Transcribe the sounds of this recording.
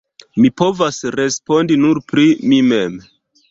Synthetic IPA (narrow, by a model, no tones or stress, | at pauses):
mipo̞vasɾe̞spo̞ndinuɾpɾimime̞m